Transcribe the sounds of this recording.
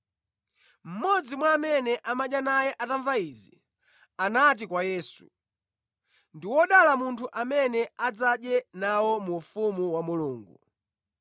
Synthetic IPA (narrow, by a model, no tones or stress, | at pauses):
m̩mɔd͡zimwaːmɛnɛʔamaɗjanajɛʔataɱvaiːzi | anat̬ikwajɛːsu | ndiwɔɗalamuntʰuʔamɛnɛad͡zaɗjɛnawɔmufumuwamuluːŋɡu